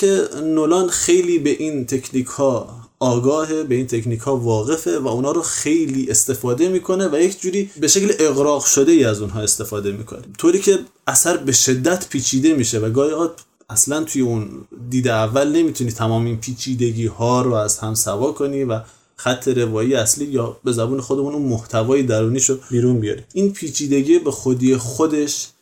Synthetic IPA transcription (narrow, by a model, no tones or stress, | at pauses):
kʰe̞nolɒːnxejliːbe̞ʔiːnt̪ʰe̞cʰniːkʰhɒː | ɒːɡɒːɦebeiːnt̪ʰe̞cniːkhɒːvɒːɣe̞fe̞væunhɒːɾoxejliːʔe̞st̪e̞fɒːd̪e̞miːkʰo̞nevæjecʰd͡ʒuːɾiːbe̞ʃe̞cleʔeɣɾɒːɣʃo̞d̪e̞iːæzunɦɒːe̞st̪e̞fɒːd̪e̞miːkʰo̞̰nit̪ʰoːɾiːcʰe̞ | æsæɾbe̞ʃe̞d̪ːæt̪ʰpʰiːt͡ʃʰiːd̪e̞miːʃevæɡɒːihɒːd | æslænt̪ʰujeund̪iːd̪eævːælne̞miːt̪ʰuniːt̪ʰæmɒːmeinpʰiːt͡ʃʰiːd̪e̞ɡiːhɒːɾoæzhæmsævɒːkʰo̞niːvæ | xæt̪ʰːe̞ɾe̞vɒːjijeæsliːjɒːbe̞zæbuːne̞xo̞d̪emununmoht̪ʰævɒːjed̪æɾuːniːʃobiːɾunbijɒ̰ːɾiʔiːnpʰiːt͡ʃʰiːd̪e̞ɡiːbe̞xod̪iːjexod̪e̞ʃ